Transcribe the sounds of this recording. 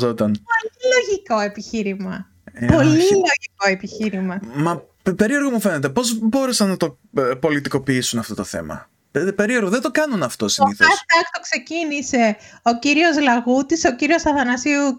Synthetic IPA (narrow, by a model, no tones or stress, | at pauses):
zot̪ɐnpoiloʝiko̞e̞piçiɾimɐ | po̞lilo̞ʝiko̞e̞piçiɾimɐmɐ | pe̞ɾie̞ɾɣomufe̞ne̞t̪epo̞zbo̞ɾesɐnːɐt̪o̞ | po̞lit̪iko̞piisunɐft̪o̞t̪o̞θe̞̰mɐ̰ | pepe̞ɾieɾɣoðed̪o̞kɐnunɐft̪o̞siniθoɐt̪ɐkt̪okse̞cinise̞o̞ciɾio̞zlɐɣut̪iso̞ciɾio̞sɐθɐnɐsiu